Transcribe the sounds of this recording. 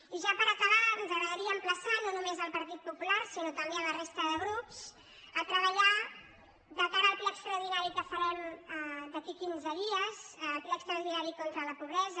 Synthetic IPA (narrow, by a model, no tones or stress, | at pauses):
iʒapəɾəkəβaənzəɣɾəðəɾiəːmpləsanonumezəlˠpəɾt̪it̪̚pupulaɾsinot̪əmbeələrest̪əðəɣɾups | ət̪ɾəβ̞əʎa | ðəkaɾəlˠplɛəkst̪ɾəwðinaɾikəfəɾɛmd̪əkikinzəðiəzlplɛːkst̪ɾɐwðinaɾikont̪ɾələpuβɾɛzə